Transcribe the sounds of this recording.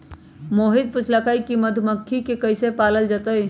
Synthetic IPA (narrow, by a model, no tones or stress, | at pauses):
moːɦɪd̪̚pʊt͡ʃʰlakaːikimɐd̪ʱməkʰːikekɐɪsepaːləld͡ʒat̪əi